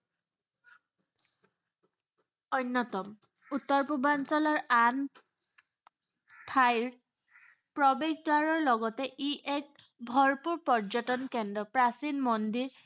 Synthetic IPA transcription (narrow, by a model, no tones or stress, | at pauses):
onːɔtɔm | utːɔɹpubansɔlɔɹan | tʰajɹ | pɹɔbeɡɡaɹɔɹlɔɡɔtɛʔiʔɛk̚ | bʱɔɹpuɹpɔɹzɔtɔnkɛndɹɔpɹasinmɔndiɹ